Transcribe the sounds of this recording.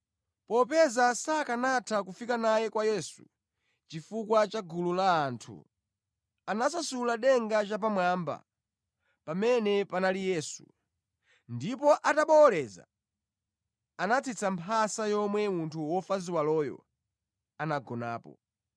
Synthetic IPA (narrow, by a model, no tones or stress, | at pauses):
pɔpɛzasakanatʰak̬ufikanajɛkwajɛsu | t͡ʃifukwat͡ʃaɡululaːntʰṵ | anas̬asulaɗɛŋɡat͡ʃap̬amwamba̰ | pamɛnɛpanalijɛːsṵ | ndipɔʔataɓɔlɛza̰ | anat͡sʰit͡sʰampʰasajɔmwɛmuntʰuwɔfaziwalɔjɔ̰ | anaɡɔna̰ːpɔ̰